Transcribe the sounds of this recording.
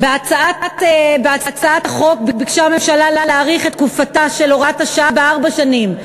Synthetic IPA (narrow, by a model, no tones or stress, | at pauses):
beat͡saatatebeat͡sat͡saat̪aχo̞k̚bibiɡʃame̞mʃalalaleaʁiχet̪kufataʃeloʁataʃabeaʁbaʃanim